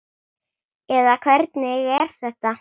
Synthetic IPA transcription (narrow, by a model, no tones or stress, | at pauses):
ɛðakʰvɛɾt̪nɪɣɛɾ̥θɛht̪a